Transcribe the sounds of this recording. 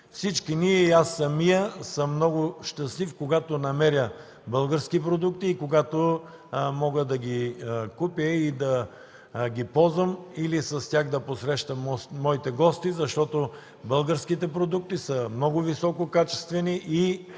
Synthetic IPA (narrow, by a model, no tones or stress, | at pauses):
fsit͡ʃkiniɛiasːɐmijəsəmnɔɡʊʃt̪ɐslifkoɡat̪onɐmɛɾʲjə | bəlˠɡəɾskipɾod̪uk̚t̪iːkoɡat̪o | mɔɡəd̪ɐɡʲikupjəid̪ɐ | ɡʲipɔzvəmilisɐst̪ʲjaxd̪ɐposɾɛʃt̪əmmːɔit̪ɛɡɔst̪izɐʃt̪ɔt̪o | bəlˠɡəɾskit̪ɛpɾod̪uk̚t̪isəmnɔɡʊvisɔkokat͡ʃɛ̥st̪vɛniʔi